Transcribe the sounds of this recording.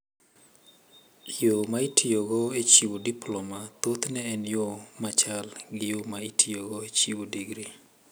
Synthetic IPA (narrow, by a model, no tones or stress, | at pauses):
jomaitʰijoɡɔet͡ʃiwodiplɔmat̪ot̪nɛːnjomat͡ʃalɡɪjomaitʰijoɡɔet͡ʃiwodiɡɾi